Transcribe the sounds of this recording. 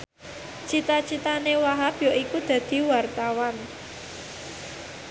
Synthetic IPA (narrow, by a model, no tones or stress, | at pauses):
t͡ʃit̪at͡ʃit̪anewaɦapjɔʔikud̪̥ä̤d̪̥i̤wart̪awan